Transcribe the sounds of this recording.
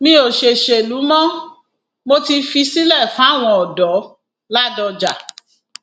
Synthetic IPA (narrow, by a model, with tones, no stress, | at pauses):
mĩ˦o˨ʃe˨ʃe˨lu˨˦mɔ̃˦ | mo˧ti˧fi˧si˦lɛ˦˨fã˨˦a˦˨w̃ɔ̃˧ɔ˨dɔ˨˦ | la˦dɔ˧d͡ʒa˨